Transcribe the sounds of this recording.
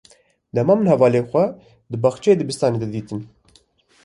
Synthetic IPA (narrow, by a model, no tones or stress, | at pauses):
d̪ɛmɑːmɨnhɛvɑːleːxʷɛ | d̪ɨbɑxt͡ʃɛeːd̪ɨbɨst̪ɑːneːd̪ɛd̪iːt̪ɨn